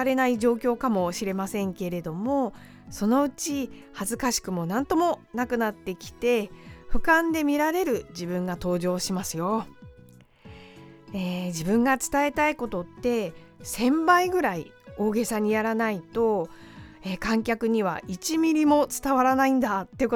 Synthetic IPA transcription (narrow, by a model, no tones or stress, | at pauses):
aɾe̞naid͡ʑo̞ːkʲo̞ːkamo̞ɕiɾe̞masẽ̞ŋke̞ɾe̞d̪o̞mo̞ | so̞no̞ɯ̟t͡ɕihazɨkaɕi̥kɯ̟mo̞nãnt̪o̞mo̞nakɯ̟nat̪ːe̞kʲi̥t̪e̞ɸɯ̟kãnd̪e̞mʲiɾaɾe̞ɾɯ̟d͡ʑibɯ̟̃ŋɡat̪o̞ːʑo̞ːɕimasɨjo̞ | eːd͡ʑibɯ̟̃ŋɡat͡sɨ̥t̪ae̞t̪aiko̞t̪o̞t̪ːe̞ | sẽ̞mbaiɡɯ̟ɾai | o̞ːɡe̞saɲ̟ijaɾanait̪o̞ | eːkãŋkʲakɯ̟ɲ̟iβ̞a̰it͡ɕimʲiɾʲimo̞t͡sɨ̥t̪aβaɾanaĩnd̪at̪ːeiɯk